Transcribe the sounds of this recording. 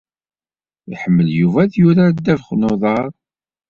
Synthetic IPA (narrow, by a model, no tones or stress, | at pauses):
ḭħəmːəljuvæðjuɾæɾd̪ːævχnoðˤɑɾˤ